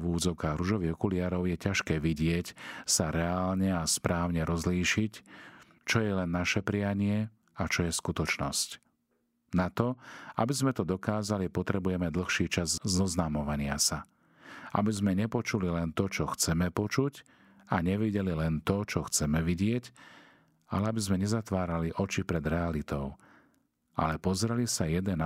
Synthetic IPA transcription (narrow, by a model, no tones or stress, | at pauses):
ʋuːd͡zɔʊkaːɣɾuʒɔʋiɦɔkuliaːɾɔʊjɛcaʃkɛːʋiɟɪɛcsaɾɛaːlɲɛaspɾʔaːʊɲɛɾɔzliːʃic | t͡ʃɔjɛlɛnːaʃɛpɾijaɲɪɛ | at͡ʃɔjɛskut̪ɔt͡ʃnɔsc | nat̪ɔa̰bizmɛt̪ɔd̪ɔkaːzalipɔt̪ɾɛbujɛmɛd̪l̩xʃiːt͡ʃazzɔznaːmɔʋaɲɪasa | a̰bizmɛɲɛpɔt͡ʃulilɛnt̪ɔt͡ʃɔxt͡sɛmɛpɔt͡ʃuc | aɲɛʋiɟɛlilɛnt̪ɔt͡ʃɔxt͡sɛmɛʋiɟɪɛc | a̰lɛabizmɛɲɛzat̪ʋaːɾaliʔɔt͡ʃipɾɛd̪ɾɛalit̪ɔʊ | a̰lɛpɔzɾɛlisajɛd̪ɛna